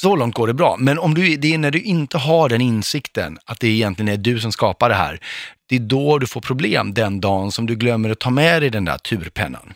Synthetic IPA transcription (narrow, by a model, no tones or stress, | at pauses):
sɔlɔŋt̪̚ɡoːɖɛbɾɑ̰ːmɛnɔmd̪ɵd̪ɛænæɖɵʔɪnt̪əɦaɖɛnɪnsɪkt̪ə̰nat̪̚d̪ɛɪjɛnt̪lɪɡənæɖɵs̬ɔmskɑːpaɖɛɦæ̰ːɾd̪̥ɛd̪ɔɖɵfoːɾpʰɾʊblḛːmd̪ɛnd̪ɑːnsɔmd̪ɵɡlœmːəɾat̪ʰːɑːmɛd̪ɛjd̪ɛnd̪æ̰ːʈʰʉ̟ːɾpʰɛ̰nːa̰n